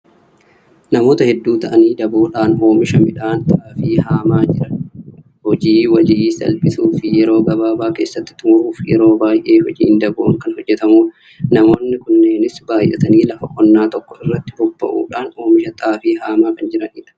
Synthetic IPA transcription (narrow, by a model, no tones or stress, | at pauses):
nɐmo̞ːt̪ɐhɛd̪ːuːt̪ɐʔɐniːd̪ɐbuːᶑaːno̞ːmɪʃɐmɪᶑaːnt̪ʼaːfiːhaːmaːd͡ʒɪɾɐ | hɔd͡ʒiːwɐd͡ʒiːsɐ̰lpʼɪsuːfɪjɛɾo̞ːɡɐbaːbaːke̞ːsːɐt̪ːɪ̥t̪ːʊmɐʔuːfjɛɾo̞ːbaːjʔe̞ːɦɔd͡ʒḭːnd̪ɐbuːŋkɐnhɔd͡ʒːɛt̪ɐmuː | nɐmo̞ːnːɪkʊnːe̞ːnɪsbaːjʔɛ̰t̪ɐniːlɐfɐkʼɔnːaːt̪ɔkːɔɪrːɐt̪ːɪbʊbːɐ̰ʔṵːᶑaːno̞ːmɪʃɐt̪ʼaːfiːhaːmaːkɐnd͡ʒɪɾɐniːᶑɐ̥